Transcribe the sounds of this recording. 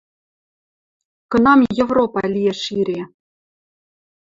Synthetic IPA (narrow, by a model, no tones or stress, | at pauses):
kɤ̆nɑmjevropɑlʲijeʃiɾʲe